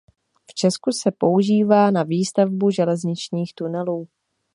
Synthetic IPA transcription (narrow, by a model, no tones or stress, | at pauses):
ft͡ʃɛskusɛpo̞uʒiːvaːnaviːst̪avbuʒɛlɛzɲɪt͡ʃɲiːxt̪unɛluː